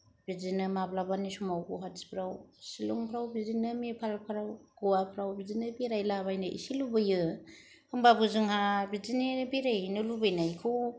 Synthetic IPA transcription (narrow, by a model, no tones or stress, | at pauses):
bid͡ʒinɯmablabanisumawɡuɦazi̥pʰɾawsilṵŋpʰɾawbizinɯmepʰalpʰaɾawɡ̥ɔwapʰɾawbizinɯbiɾajlaβajnɯʔḭsilubɯjɯ | hɯŋbabɯzɯŋhabizinibiɾajnɯlubɯjnajkʰuw